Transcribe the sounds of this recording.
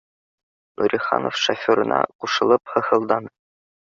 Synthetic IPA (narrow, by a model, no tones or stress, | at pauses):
nʔuɾʲiχɑ̰no̰fʃofʲoɾɤ̆nɑ̰quʃɤ̆lˠɤphɤ̆hɤ̆lˠd̪ɑn